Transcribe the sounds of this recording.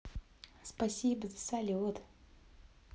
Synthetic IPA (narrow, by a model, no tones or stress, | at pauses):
spasʲibəzəsalʲut̪